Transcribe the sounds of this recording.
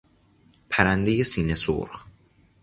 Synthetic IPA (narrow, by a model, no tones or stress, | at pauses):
pʰæɾænd̪ejesiːneso̰ɾx